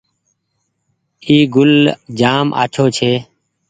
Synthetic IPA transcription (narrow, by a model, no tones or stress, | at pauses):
iːɡʊld͡ʒaːmʔa̰ːt͡ʃʰoːt͡ʃʰeː